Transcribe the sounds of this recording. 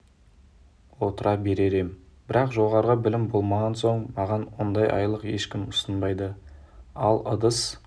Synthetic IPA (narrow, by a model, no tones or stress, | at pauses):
wo̞t̪əɾɑbe̞ɾe̞ɾe̞m | bɪɾɑqʒo̞ʁɑɾʁəbɪlɪmbo̞lˠmɑʁɑnso̞ɴmɑʁɑnwo̞nd̪ɑjʔɑ̰jlˠəqje̞ʃkʲɪmʊsənbɑjd̪ə | ɑlˠə̰d̪əs